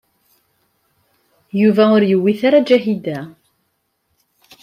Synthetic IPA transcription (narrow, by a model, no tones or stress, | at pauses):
juvæʊɾjəwːiθaɾad͡ʒæɦid̪æ